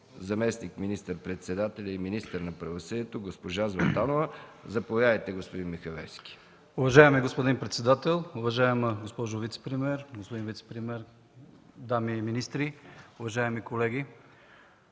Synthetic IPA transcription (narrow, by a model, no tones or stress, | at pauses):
zɐmɛsnikminist̪əɾpɾɛt̪sɛd̪at̪ɛlʲɐiminist̪əɾnɐpɾɐvosəd̪iɛt̪oɡospoʒazvɐnt̪anovəzɐpovʲjavəjt̪ɛɡospod̪inmixɐvɛfskʲi̥ | ʊvɐʒaɛmiɡospod̪inpɾɛt̪sɛd̪at̪ɛlˠʊvɐʒaɛmɡospɔʒovit̪sɛ̥pɾimɛɾɡospod̪invit̪sɛ̥pɾimɛɾ | d̪amiminist̪ɾiʊvɐʒaɛmikolɛɡi